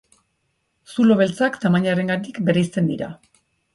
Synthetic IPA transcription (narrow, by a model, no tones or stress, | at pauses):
sulo̞β̞e̞lt͡sakt̪amaɲaɾe̞ŋɡat̪̬ikbeɾijst͡s̪e̞nd̪iɾa̰